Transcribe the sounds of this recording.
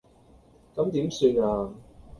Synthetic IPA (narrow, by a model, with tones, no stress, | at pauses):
kɐ˨˥mt̪iː˨˥msyː˧naː˧